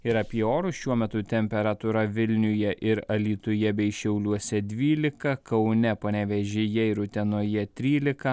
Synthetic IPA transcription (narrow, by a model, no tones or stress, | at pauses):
ɪɾɐpʲiɛoːɾʊʃʲuɔmʲɛt̪ʊt̪ʲɛmʲpʲɛɾɐt̪ʊɾɐʋʲɪlʲnʲʊjɛʔɪɾɐlʲiːt̪ʊjɛbʲɛɪʃʲɛʊlʲuɔsʲɛd̪ʲʋʲiːlʲɪkɐkɐʊnʲɛpɐnʲɛʋʲɛʒʲɪjɛɪɾʊt̪ʲɛnoːjɛt̪ʲɾʲiːlʲɪkɐ